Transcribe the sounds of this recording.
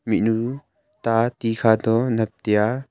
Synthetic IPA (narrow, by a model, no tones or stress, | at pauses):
miʔnu | t̪at̪ikʰad̪ɔnɐp̚t̪ija